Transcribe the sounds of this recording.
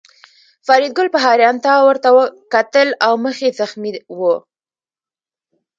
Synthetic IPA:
fɑɾid̪̚ɡʊlpəɦɑɾjɑnt̪awəɾt̪awəkat̪əlawməxezaxmiwə

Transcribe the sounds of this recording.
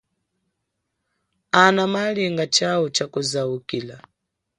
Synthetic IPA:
anamaliŋɡat͡ʃaut͡ʃakuzaukiːla

